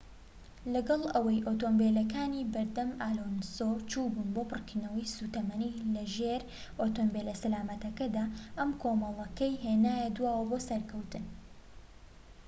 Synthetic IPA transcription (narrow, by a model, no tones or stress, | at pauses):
lɐɡɐlˠɐwɐjʔot̪oːmbeːlɐkaːniːbɐɾd̪ɐmaːlonsot͡ʃuːbunboːpɨrkinɐwijsuːt̪ɐmɐniːlɐʒeɾ | ʔot̪ombelɐsɐlaːmɐt̪ɐkɐd̪aːʔɐmkʰoːmɐlˠɐkɐjɦeːnaːjɐd̪waːwɐbosɐɾkʰɐwt̪ɨn